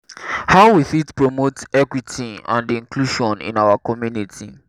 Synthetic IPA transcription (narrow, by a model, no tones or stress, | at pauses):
haʊwiθitpɹɔmotɛkwitʰiã̰ndĩŋkluʃɔ̃nḭ̃nawakɔmjunitʰi